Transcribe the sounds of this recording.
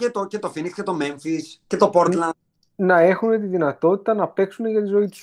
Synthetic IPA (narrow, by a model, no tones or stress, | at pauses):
et̪ocet̪o̞finikscet̪o̞meɱfisce̞t̪o̞poɾt̪lɐn | nɐe̞xune̞t̪iðinɐt̪o̞t̪i̥t̪ɐnɐpe̞ksuneʝɐt̪izo̞it̪i̥s